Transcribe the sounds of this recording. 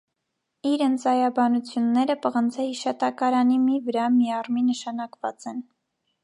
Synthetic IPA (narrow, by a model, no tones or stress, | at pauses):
iɾənt͡sɑjɑbɑnut͡sʰjunːɛɾəpəʁənt͡sʰɛhiʃɑt̪ɑkɑɾɑnimivəɾɑmiɑrminəʃɑnɑkvɑt͡sɛn